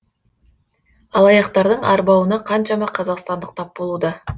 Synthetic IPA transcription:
ɑlˠɑjɑqt̪ɑɾd̪əɴɑɾbɑwənɑqʰɑnʃɑmɑqʰɑzɑqst̪ɑnd̪əq̚t̪ʰɑp̚bo̞lˠud̪ɑ

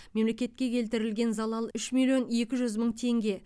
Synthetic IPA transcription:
me̞mle̞kʲe̞t̪̚kʲe̞kʲʰe̞lt̪ɪɾɪlɡʲe̞nzɑlˠɑlˠʏʃmilʲijo̞ne̞kʲɪʒʏzməɴt̪ʰe̞ŋɡʲe̞

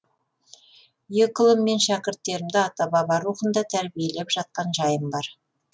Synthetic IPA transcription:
jekʊlˠəmːe̞nʃækʲɪɾt̪ːe̞ɾɪmd̪ɪɑt̪ɑbɑbɑɾuχənd̪ɑt̪ʰæɾbije̞le̞pʒɑt̪̚qɑnʒɑjəmbɑɾ

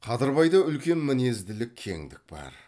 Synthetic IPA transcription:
qʰɑd̪əɾbɑjd̪ɑʏlkʲe̞nmɪne̞zd̪ɪlɪkʲʰːe̞̰ŋd̪ɪk̚bɑ̰ɾ

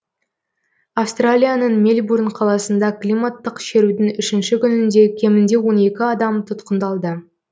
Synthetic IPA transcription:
afst̪ralʲijanəɴmelʲburnqʰɑlˠɑsənd̪ɑklʲijmat̪ːəqʃe̞ɾud̪ɪŋʏʃɪnʃɪkʲʏnɪnd̪e̞kʲʰe̞mɪnd̪e̞wo̞ne̞kʲɪɑd̪ɑmt̪ʰʊt̪qənd̪ɑlˠd̪ə

